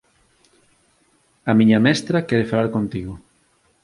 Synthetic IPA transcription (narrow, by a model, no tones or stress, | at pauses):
ɐmiɲɐmɛst̪ɾɐkɛɾefalaɾkont̪iɣʊ